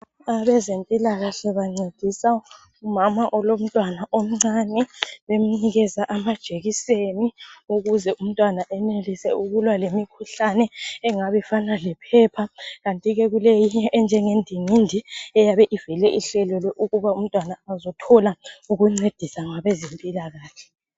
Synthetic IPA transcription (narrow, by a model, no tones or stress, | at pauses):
aβɛzentʼilaɣaɬɛβaŋ͡ǀed̥ʱisa | umamaʔɔlom̩tʼwanaʔom̩ŋ͡ǀanɛβem̩niɣɛzaʔamad̥ʒ̥ʱeɣiseniuɣuzɛʔum̩tʼwanaʔɛnelisɛuɣulwalemikʰuɬanɛːŋaβɛfanalɛpʰɛpʰaɣantʼiɣɛɣulejiɲɛʔɛnd͡ʒʱɛŋendʱiŋindʱiɛjaβɛʔivɛlɛʔiɬɛlɔlɔʔuɣuβaum̩tʼwanaːzɔtʰɔlauɣuŋ͡ǀed̥ʱisaŋaβɛzempʼilaɣaːɬɛ̥